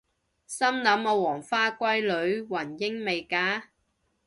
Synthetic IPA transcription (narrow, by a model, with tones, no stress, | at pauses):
sɐ˥mnɐ˨˥mɔ˨˧wɔː˨˩ŋfaː˥kʷɐ˥jlɵ˨˥ɥwɐ˨˩njɪ˥ŋme˨˧jkaː˨˥